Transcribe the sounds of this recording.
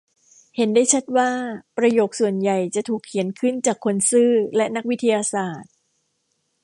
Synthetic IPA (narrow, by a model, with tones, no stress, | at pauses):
he˩˦ndaː˥˩jt͡ɕʰa˦˥t̪̚waː˥˩pɾa˧joː˨˩k̚su˨˩ənja˨˩jt͡ɕa˨˩t̪ʰuː˨˩kʰːi˨˩˦ənkʰɯ˥˩nt͡ɕaː˨˩kʰːo˧nsɯː˥˩lɛ˦˥ʔna˦˥k̚wi˦˥t̪ʰːa˧jaː˧saː˨˩t̪̚